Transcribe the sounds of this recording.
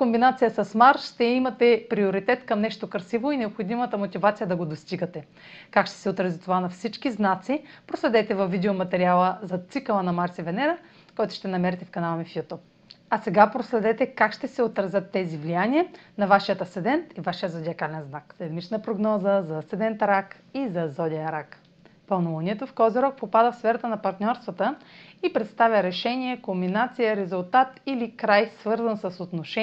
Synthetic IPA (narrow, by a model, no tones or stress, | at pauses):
kombinat̪sijəsɐsmaɾʃt̪ɛimɐt̪ɛpɾioɾit̪ɛt̪kɐmnɛʃt̪okɐɾsivoinɛopxod̪imət̪əmot̪ʲivat̪sijəd̪ɐɡod̪ost̪iɡət̪ɛ | kakʃt̪ɛ̥sɛot̪ɾɐzit̪ovanɐfsit͡ʃkiznat̪sipɾoslɛd̪ɛt̪ɛvɐvvːid̪ɛomɐt̪ɛɾialˠəzɐt̪sikəlˠənɐmaɾsivɛnɛɾə | kɔjt̪ʊ̥ʃt̪ɛnɐmɛɾɛt̪ɛfkɐnalˠmifjut̪up̚ | ɐsɛɡapɾoslɛd̪ɛt̪ɛkakʃt̪ɛsɛot̪ɾɐzʲət̪ːɛzivlijanʲiənɐvaʃiət̪ɐsɛd̪ɛnt̪ivaʃijəzod̪ʲiɐkalɛnznakzɾɛd̪mit͡ʃnəpɾoɡnɔzəzɐsɛd̪ɛnt̪ɾak | izɐzɔd̪ʲijəɾak | pɐlˠnuvəniɛt̪ofkɔziɾɔk̚popad̪əfsfɛɾɐt̪ənɐpɐɾt̪nʲɔɾst̪vɐt̪əipɾɛt̪st̪avʲjəɾɛʃɛniɛkombinat̪sijəɾɛzʊlˠt̪at̪ilikɾajsvɤɾzɐnsɐsot̪noʃɛ